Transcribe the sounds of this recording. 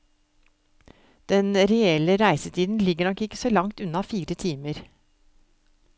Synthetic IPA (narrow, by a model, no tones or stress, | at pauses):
d̪̥ɛnɾɛɛləɾæɪsət̪ʰiːd̪n̩lɪɡəɳɔkɪkːə̥soːlɑŋt̪ʉnɑfiːɾət̪ʰiːməɾ